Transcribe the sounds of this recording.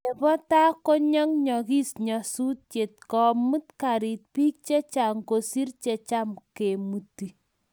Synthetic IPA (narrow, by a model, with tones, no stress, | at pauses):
e˨pɔ˦ta˦ko˦ɲɔ˦ŋɲɔ˨ki˦sɲɔ˨su˦t̚t͡ʃe˨t̚kɔ˨mɨ˦tka˨ɾi˨t̚piː˦k̚t͡ʃe˦t͡ʃa˨ŋko˨si˦rt͡ʃe˨t͡ʃa˦mke˨mu˨ti˨